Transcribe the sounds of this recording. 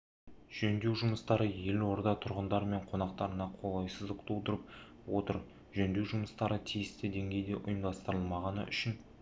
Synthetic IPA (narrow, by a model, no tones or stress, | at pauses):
ʒ̥ɵnd̪e̞wʒʊməst̪ɑɾəje̞lwo̞ɾd̪ɑt̪ʰʊɾʁənd̪ɑɾme̞ɴqʰo̞nɑqt̪ɑɾənɑqʰo̞lˠɑjsəzd̪əqt̪ʰolˠd̪əɾəp | wo̞̰t̪əɾ | ʒɵnd̪e̞wʒʊməst̪ɑɾət̪ʰijɪst̪ɪd̪e̞ŋɡʲe̞jd̪e̞ʔʊ̰jəmd̪ɑst̪əɾəlˠmɑʁɑnə̰ʔʏ̰ʃɪn